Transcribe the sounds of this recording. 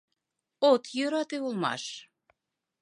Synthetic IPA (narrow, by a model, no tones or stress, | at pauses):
ot̪jøɾɑt̪eulmɑ̰ʃ